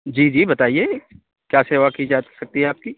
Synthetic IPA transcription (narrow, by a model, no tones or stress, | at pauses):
d͡ʒiːd͡ʒiːbɐt̪aːieː | kjaːseːʋakid͡ʒaːsɐk̚t̪iɦɛaːp̚ki